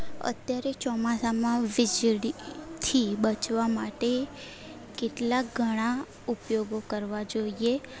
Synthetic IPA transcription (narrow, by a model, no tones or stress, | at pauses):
ə̰t̪jaɾet͡ʃɔmasamãʋɪd͡ʒɽit̪ʰibət͡ʃʋamaʈe | keʈlakɡʱəɽ̃a | upjoɡokəɾʋad͡ʒoie